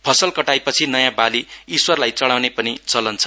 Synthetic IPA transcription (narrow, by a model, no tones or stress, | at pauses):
pʰʌsʌlkʌʈajpʌt͡sʰinʌjãbaliːswʌrlajt͡sʌɽawnepʌnit͡sʌlʌnt͡sʰʌ̥